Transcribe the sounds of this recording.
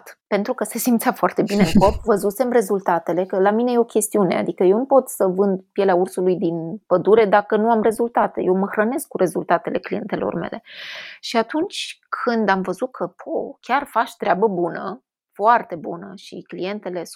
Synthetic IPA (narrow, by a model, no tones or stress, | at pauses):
t̪pe̞nt̪ɾukəse̞simt̪sʲafoart̪e̞bine̞ɨŋko̞pvəzuse̞mre̞zult̪at̪e̞le̞kəlamine̞jeo̞kʲe̞st̪iune̞̰a̰d̪ikəje̞wnupo̞t̪səvɨnd̪pje̞leaursulujd̪inpəd̪uɾe̞d̪akənuamre̞zult̪at̪e̞̰je̞wməxɾəne̞sk̚ːuɾe̞zult̪at̪e̞le̞̰klije̞̰nt̪e̞lo̰rme̞̰lʔe̞ʃiat̪unt͡ʃʲkʰɨnd̪amvəzut̪̚kʰəpʰokʲarfaʃt̪ɾeabəbunə | foart̪e̞bunəʃḭklije̞nt̪e̞le̞s